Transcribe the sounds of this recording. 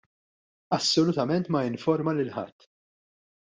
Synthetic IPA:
ɐsːɔlʊt̪ɐmɛnt̪mɐjɪɱfɔɾmɐlɪlħɐ̰t̪ː

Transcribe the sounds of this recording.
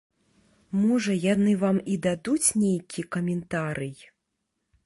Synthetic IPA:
mɔʐɐjanɨvamid̪ad̪ut͡sʲnʲejkʲʰikɐmʲɛnt̪aɾʔɨj

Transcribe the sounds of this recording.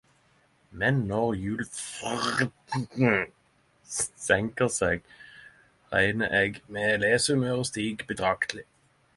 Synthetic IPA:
mɛnːɔʁjʉːlfʁdn̩ | sɛŋkəʁseːɡ | ʁæ̰ɪnəʔeːɡmeːleːsəmøːʁəst̪iːɡbəd̪ʁɑkt̪ʰlɪ

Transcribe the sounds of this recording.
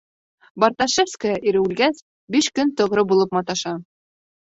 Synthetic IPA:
bɑɾt̪ɑʃefskəjɑʔiɾɘʉlɡæs | biʃkɵnt̪ŏʁɾɤbulˠɤp̚mɑt̪ɑʃɑ

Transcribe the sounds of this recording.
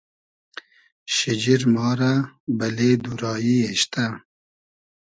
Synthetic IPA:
ʃɪd͡ʒiɾmɑːɾabɐled̪uɾɑːjieʃt̪a

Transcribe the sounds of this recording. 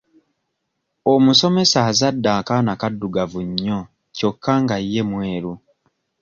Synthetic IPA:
omuso̞me̞saːzadːaːkanakadːuɡavuɲːo | co̞kʰːaŋɡajːe̞mweːɾu

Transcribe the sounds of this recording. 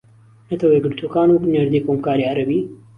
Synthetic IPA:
nɐt̪ʰɐwɐjɡɨɾt̪ʰuːkaːnwʊkneɾd̪iːkoːmkaːɾiɐɾɐbiː

